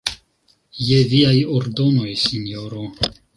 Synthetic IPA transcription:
jeviajoɾdo̞no̞jsinjoɾo

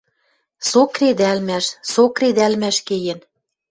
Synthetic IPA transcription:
sokred̪ælmæʃsokred̪ælmæʃkejen

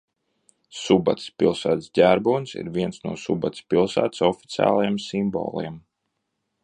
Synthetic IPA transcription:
suba̰t̪spilˠsæːt̪sɟʲæɾbuːnsḭɾviɛnsnuɔsubat̪ʲspilˠsæ̰ːt̪sɔfi̥t̪sʲia̰ːlˠajemsimbɔ̰ːlˠiɛm

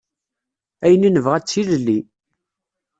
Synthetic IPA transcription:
æjəninəvʁæt͡sːiləlːi

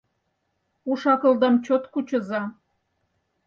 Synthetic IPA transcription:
uʃɑkɤ̆ld̪ɑmt͡ɕot̪kut͡ɕə̆zɑ

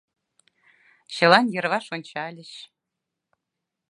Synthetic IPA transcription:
ɕɤ̆lˠɑnjɤ̆rβɑʃonʲt͡ɕɑlʲɘ̆ɕ

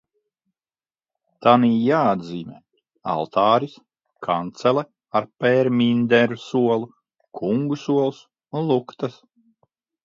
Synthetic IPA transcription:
t̪aniːjaːad̪ziːmʲɛ̰ː | a̰lˠt̪ʰaɑːɾis | kʰant̪sɛlɛ | aɾpɛɾmʲind̪ɛɾusuɔlˠu | kʰuŋɡusuɔlˠs | unlˠukt̪as

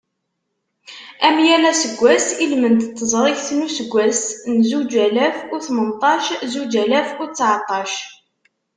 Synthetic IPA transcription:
æmjælæsəɡʷːæsilmənt̪t̪ːəzˤɾˤɪçθnusəɡʷːæsnzud͡ʒælæfuθmənt̪ˤɑʃzud͡ʒælæfʊt͡sːʕt̪ˤːɑʃ

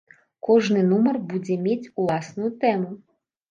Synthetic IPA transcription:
kɔʐnɨnumɐrbud͡zʲɛmʲet͡sʲulˠasnujut̪ɛmu

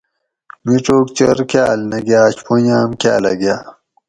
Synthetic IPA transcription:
miʈ͡ʂoːkt͡ɕɐɾkaɐlnɐɡjaːt͡ɕpojaːmkaɐ̰lɐ̰ɡjaː

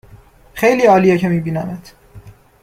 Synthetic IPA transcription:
xejliːɒːlijecʰemiːbiːnæmæt̪ʰ

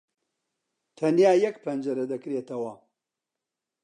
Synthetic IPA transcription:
t̪ʰɐnjaːjɐkpʰɐnd͡ʒɐɾɐd̪ɐkɾeːt̪ʰɐwɐ

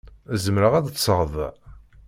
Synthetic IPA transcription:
æzəmɾəʁæd̪səʁəðˤ

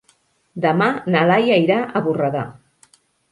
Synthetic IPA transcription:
d̪əmanalajaiɾaʔəβurəða

